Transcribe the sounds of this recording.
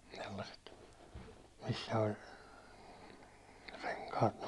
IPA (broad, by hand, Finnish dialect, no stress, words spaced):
selːɑset misːæ olʲ reŋkɑːt